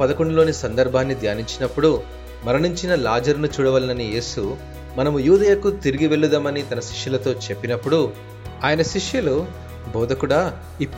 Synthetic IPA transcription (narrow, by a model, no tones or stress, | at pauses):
pɐd̪ɐkoɳɖulo̞ːnisɐnd̪ɐɾbʱaːnːid̪jaːniɲt͡ʃinɐpːuɽu | mɐɾɐnuɲt͡ʃinɐlaːd͡ʒɐɾnut͡ʃuːɽɐʋɐlinɐnije̞ːsu | mɐnɐmujuːd̪ɐjɐkut̪iɾiɡiʋe̞ɭːud̪amɐnit̪ɐnɐʃi̥ʂjulɐt̪o̞ːt͡ʃe̞pːinɐpːuɽu | aːjɐnɐʃiʂjulu | bɔːd̪ɐkuɽaː | i